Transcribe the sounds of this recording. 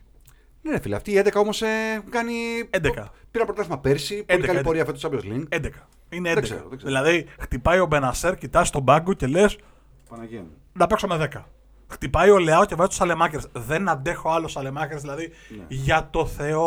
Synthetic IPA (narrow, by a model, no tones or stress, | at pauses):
nenefilɐ̰ft̪iːend̪ekɐo̞mo̞sekɐniend̪ekɐpiɾɐnɐpɾot̪ɐsinɐpeɾsiped̪kɐpoɾiɐfet̪osɐblozlinend̪ekɐ̥ | ineend̪esḛɐɾo̰ðeɡzeðilɐðixt̪ipɐjo̞be̞nɐse̞ɾcit̪ɐst̪o̞bɐŋɡoce̞le̞s | ɐnʝen | nɐpe̞ksome̞ðe̞kɐ | xt̪ipɐjo̞leɐoce̞vɐzist̪o̥sɐlemɐceɾsðe̞nɐnd̪e̞xo̞ɐlo̞sɐlemɐceɾzðilɐði | ʝɐt̪o̞θe̞o